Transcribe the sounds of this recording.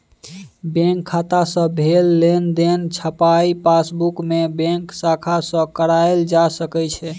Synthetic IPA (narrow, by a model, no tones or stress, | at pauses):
bɛ̃ŋkʰːat̪asə̃bʱelːend̪ent͡ʃʰəpaipasbukmebɛ̃ŋksakʰasə̃kəɾajld͡ʒasəkɛt͡ʃʰɛ